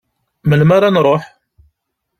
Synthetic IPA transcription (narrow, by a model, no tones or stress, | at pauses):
məlmaɾanɾˤoħ